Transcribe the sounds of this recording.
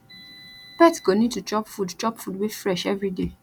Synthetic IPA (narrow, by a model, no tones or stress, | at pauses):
bɛtɡonid̚tut͡ʃɔpfudt͡ʃɔpfudwefɹɛʃɛvɾide